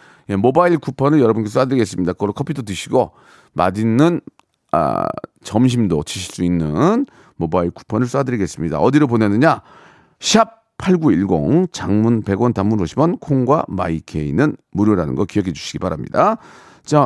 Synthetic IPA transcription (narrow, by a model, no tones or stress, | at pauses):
je̞mobaiɭkʰupʰʌnɯɭjʌɾʌbunkes̬ʰuadɯɾiɡe̞s͈ɯmɲidakɯɡʌɭokʰʌpʰitʰʌtɯɕʰiɡo | ma̰dinːɯn | a̰t͡ɕʌmɕ̬ʰimdot͡ɕiɕʰiɭs͈uinːɯn | mobaiɭkʰu̥pʰʌnɯɭs͈adɯɾiɡe̞s͈ɯmɲida̰ʌdiɾopone̞nɯɲa | ɕʰap̚ | pʰːaɭɡuiɭɡo̰ŋt͡ɕaŋmunpe̞ɡwʌntamuɾoɕʰibʌnkʰoŋɡwa̰ma̰ikʰe̞ḭnɯnmuɾjoɾanɯ̰nɡʌkijʌkʰed͡ʑu̥ɕʰi̥ɡibaɾamɲḭda | t͡ɕa